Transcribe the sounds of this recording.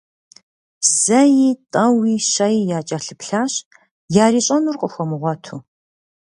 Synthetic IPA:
z̥ɐjiːtʼɐwiːɕɐjijaːt͡ʃʼɐɬɨpɬaːɕ | jaːɾiːɕʼɐnurqʼəxʷɔmɨʁʷɔtʰuː

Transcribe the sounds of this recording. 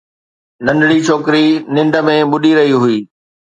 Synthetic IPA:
nɐ̃nɖɽit͡ɕʰoːkɪɾinɪ̃ɳɖə̆mẽɓʊɗiɾɐɦiɦʊiː

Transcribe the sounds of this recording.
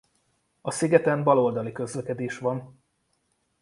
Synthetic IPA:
ɒsiɡɛt̪ɛmbɒlo̞ld̪ɒlikø̞zlɛkɛd̪eːʃʋɒn

